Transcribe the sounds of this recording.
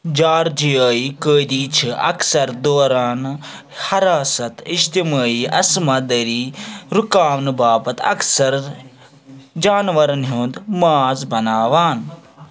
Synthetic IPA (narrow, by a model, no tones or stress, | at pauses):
d͡ʒaːɾd͡ʒijəːikəːd̪iːt͡ʃʰɨɐ̰ksɐɾd̪oːɾaːn | hɐɾaːsɐt̪iʃt̪imaːiːɐ̰smɐd̪ɐɾiːɾukaːʋnɨbaːbɐt̪ɐ̰ksɐɾ | d͡ʒaːnʋɐɾɐnɦuːnd̪maːzbɐnaːʋaːn